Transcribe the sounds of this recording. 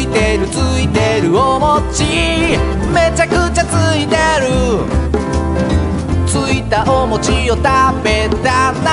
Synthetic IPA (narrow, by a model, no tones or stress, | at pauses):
it̪e̞ɾɯ̟t͡sɨit̪e̞ɾɯ̟omo̞t͡ɕi | me̞t͡ɕakɯt͡ɕat͡sɨit̪e̞ɾɯ̟ | t͡sɨit̪aʔomo̞t͡ɕiot̪abet̪ana